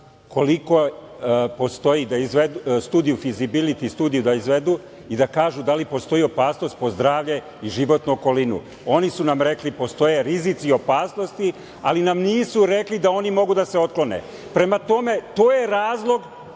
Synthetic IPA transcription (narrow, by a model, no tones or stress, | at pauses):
ko̞liko̞ | po̞st̪o̞jid̪aizʋed̪ust̪uːd̪ijufizibilit̪ist̪uːd̪ijud̪aizʋe̞d̪u | id̪akaːʒud̪alipo̞st̪o̞jio̞paːsno̞st̪̚po̞zd̪ɾaːʋʎe̞ | iʒiʋo̞t̪nuoko̞linṵ | o̞nisunamɾe̞klipo̞st̪o̞je̞ɾizit̪sio̞paːsno̞st̪i | a̰linamniːsuɾe̞klid̪ao̞nimo̞ɡud̪ase̞o̞t̪̚klˠo̞nḛ | pɾe̞mat̪o̞me̞t̪o̞ːje̞ɾaːzlˠo̞ɡ